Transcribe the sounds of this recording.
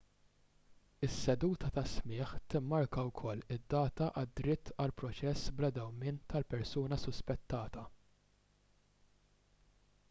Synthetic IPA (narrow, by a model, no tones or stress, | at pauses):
ɪsːɛd̪uːt̪ʰɐt̪ɐsmɪːħt̪ɪmːɐɾkɐwkʰɔlːɪd̪ːɐːt̪ɐʔɐd̪ɾɪt̪ːɐlpɾɔt͡ʃɛsːblɐd̪ɛwmɪːnt̪ʰɐlpɛɾsuːnɐsʊspɛt̪ːɐːt̪ɐ